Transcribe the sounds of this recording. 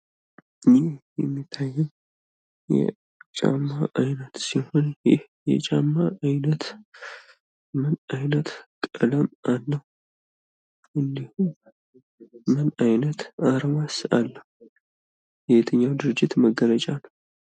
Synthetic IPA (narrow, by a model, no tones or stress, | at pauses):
nijɛmːit̪ʰːajːɪm | jɛ̰ | t͡ʃʼa̰mːaʔajnət̪siho̞njɪh | jɛ̰t͡ʃʼamːaːjnət̪ | mənajnət̪kʼələmalːəhu | ʔɨnd̪ihu | mənajnət̪aɾmasalːəhu | jɛet̪ʰəɲːawd̪ɨɾɨd͡ʒːɪt̪məɡːələt͡ʃʼanəw